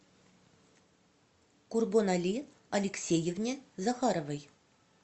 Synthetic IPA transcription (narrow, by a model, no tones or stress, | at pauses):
kurbonalʲi | ɐlʲeksʲejĕvnʲezaχɑɾovəj